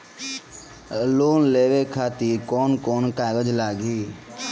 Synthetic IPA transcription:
loːnleːʋeːkʰaːt̪iːkoːnkoːnkaːɡəd͡ʒlaːɡiː

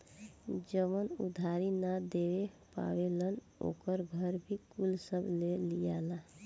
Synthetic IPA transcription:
d͡ʒəmənṵd̪ʱaɾinad̪ewe | pa̰welən | o̰kəɾɡʱəɾbʱikulsəblelijala

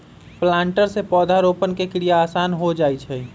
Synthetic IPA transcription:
plãːɳʈəɾsepɔːd̪ʱaɾopənkekɾijaːsaːnɦod͡ʒaːjt͡ʃʰɛ

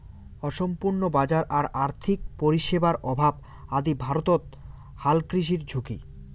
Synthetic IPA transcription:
ɔʃompuɾnobad͡ʑaɾʔaɾaɾt̪ʰik̚poɾiʃebaɾʔɔbʱab | ad̪ibʱaɾot̪ot̪ | halkɾiʃ̬iɾd͡ʑʱukḭ

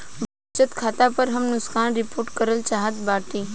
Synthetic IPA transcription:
ba | t͡ʃət̪kʰaːt̪apəɾɦəmnʊskaːnɾɪpoːɾʈkəɾəlt͡ʃaːɦət̪baːʈiː

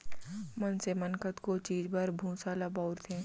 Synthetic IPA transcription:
mənsemənkət̪kot͡ʃiːzbəɾbʱũːsaːlabaːʊɾt̪ʰẽː

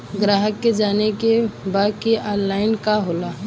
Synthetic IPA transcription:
ɡɾaːɦəkːed͡ʒaːnekebaːd̪kiʔaːnlaːɪnkaɦoːlaː

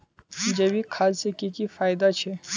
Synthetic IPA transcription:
d͡ʒebikʰalsekikifaːjd̪at͡ʃʰe

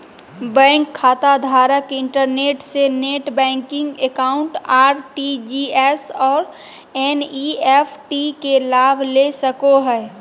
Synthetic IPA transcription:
bɛ̃ːŋkʰːaːt̪ad̪ʱaːɾəkɪ̃ɳʈəɾneːʈseneːʈbɛ̃ːŋkɪ̃ŋɡekaːʊ̃ɳʈaːɾʈid͡ʒiɛsɔːɾ | ɛniɛpʰʈikelaːbʱlesəkoɦɛː

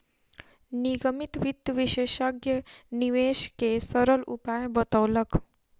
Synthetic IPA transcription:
niɡəmit̪ʋid̪ʋiʃeʃaɡjəniʋeʃkesəɾəlṵpajbət̪əwlək

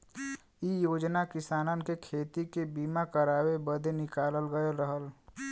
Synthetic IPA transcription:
ijoːd͡ʒnakɪsaːnənkekʰeːt̪ikebiːmakəɾaːwebəd̪ʱenɪkaːləlɡəɾəɦəl

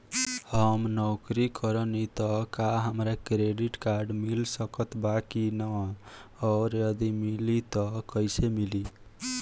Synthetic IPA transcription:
hʌmnɔkɾikʌɾʌnit̪ʌkaɦamɾakɾeɖiʈkaɾɖmilsʌkʌt̪bakinʌː | ɾjʌd̪imilit̪ʌkʌjsemili

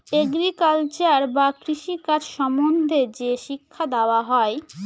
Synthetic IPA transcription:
eɡɾikalt͡ɕaɾbakɾiʃikad͡ʑʃɔmond̪ʱed͡ʑeʃikʰːad̪aoaɦɔe

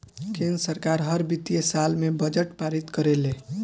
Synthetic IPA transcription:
kẽnd̪ɾəsəɾkaɾɦəɾbit̪ijesalmebəd͡ʒəʈpaɾit̪kəɾele

